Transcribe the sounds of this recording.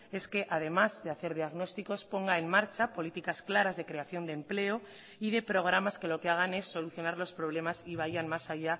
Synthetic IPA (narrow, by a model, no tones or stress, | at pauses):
e̞ske̞ʔað̞e̞mazðe̞aθe̞ɾð̞iaɣno̞st̪iko̞spo̞ŋɡae̞ŋmaɾt͡ʃapo̞lit̪ikasklaɾazðe̞kɾe̞aθjo̞nd̪emple̞o | iðe̞pɾo̞ɣ̞ɾamaske̞lo̞keaɣ̞ane̞sːo̞luθjo̞naɾlo̞spɾo̞β̞le̞masiβ̞ajanmasaʝa